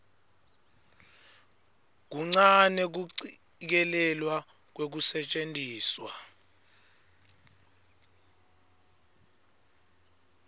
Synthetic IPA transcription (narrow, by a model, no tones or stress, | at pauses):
k̬uŋ͡ǀanɛk̬uǀi | k̬ɛlɛlwa | k̬wek̬usɛt͡ʃʼentʼiːswa